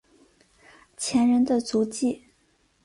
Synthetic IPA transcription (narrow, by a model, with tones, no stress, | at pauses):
t͡ɕʰjɛ˧˥nɻə˧˥nd̪ə˧t͡su˧˥t͡ɕi˥˩